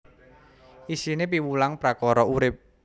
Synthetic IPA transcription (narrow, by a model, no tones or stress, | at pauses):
ʔisinep̬iwulaŋpɾakɔɾɔuɾɪp̚